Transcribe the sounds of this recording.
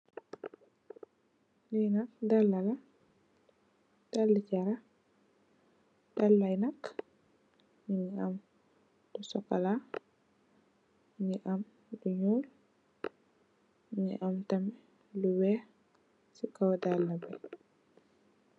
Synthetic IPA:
nɛjnak̚dalːala | d̥alːicaɾa | d̥alːajnak | ɲiɲiam | d̥ɔsɔkːala | ɲiʔam | duɲuːl | ɲḭʔamtamɛ | luwɛ | sikawadalːabɛ

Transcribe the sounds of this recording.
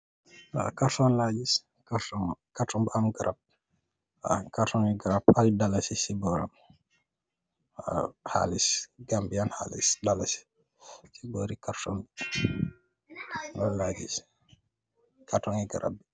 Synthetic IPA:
a̰kaɾtɔnlad͡ʒis | katɔkatɔmbamɡaɾap̚ | a̰katɔŋiɡaɾapaldalasisibɔɾa̰m | ha̰lisɡambijanha̰lḭsdalasi̥ | sibɔɾikaɾtɔm | ŋɡɔnlad͡ʒis | katɔŋiɡaɾa̰bi

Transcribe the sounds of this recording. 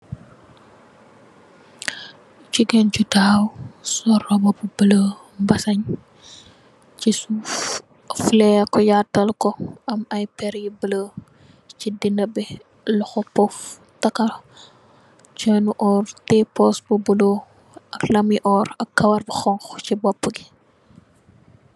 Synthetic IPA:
t͡ʃiɡɛnt͡ʃudaːwsɔrɔbɐbubələ | bɐsɐɲ | cisu | flɛkɔjatːɐlkɔɐmɐjpɛɾjibələ | cidinɐbɛ | lɔxɔpɔf | tɐkɐ | t͡ʃənuʔɔrtɛpɔsbəbulo | ɐklɐmiʔɔɾɐkkːɐwɐrbɐxɔŋxt͡ʃibɔpːəɡi

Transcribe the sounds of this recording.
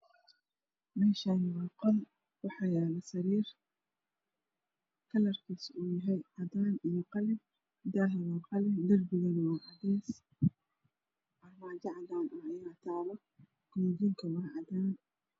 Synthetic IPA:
mɛːʃanɪwɑːqɑl | wɑħɑjaːlɐsɐɾiːr | kʰɐlɐrkʰiːsuːjɐɦɛjʕɑd̪aːnijɔqɑlɪ | d̪aːɦɐwɑːqɑlɪd̪ɐrbɪɣɐnɐwɑːʕɑdiːs | ʔɐmaːd͡ʒɐʕɑd̪aːnɐɐjaːt̪ʰaːβɐ | kʰʊmd͡ʒiŋkʰɐwɑːʕɑd̪aːn

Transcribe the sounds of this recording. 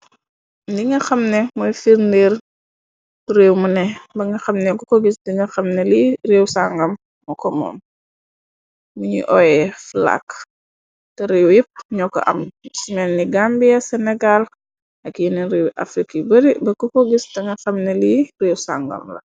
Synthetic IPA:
diŋɡɐxɐmnɛmɔjfiɾniːr | tɾewmunɛbɐŋɡɐxɐmnɛkɔkɔɡisdiŋɡɐxɐmnɛlireːwsaŋɡɐmː | ɔkɔmɔ̰ːm | muɲḭʔɔjɛfla̰k | tɛɾewjip̚ɲɔkːɔ̰ʔɐ̰msimɛlniɡambijɐsɛnɛɡal | ʔɐkjiniɾewʔa̰fɾikibɐɾibɐkɔkɔɡisdiŋɡɐxɐmnɛlireːwsa̰ŋɡɐ̰mlɐ̰

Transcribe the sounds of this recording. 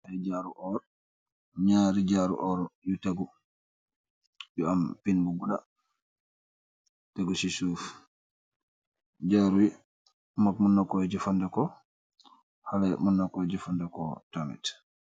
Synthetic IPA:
hɛd͡ʒaɾuʔɔɾ | ɲaːɾid͡ʒaɾṵʔɔɾɔjutaɡu | jɔampinbuɡuda̰ | taɡusisuːf | d͡ʒaːɾujɛ | makmunːakːɔd͡ʒɛfandɛkɔ | halamunːakɔjd͡ʒufandɛkɔtamɛ̰t

